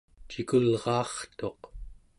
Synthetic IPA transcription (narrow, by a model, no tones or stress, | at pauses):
t͡ʃikulʁɑːχt̪o̞q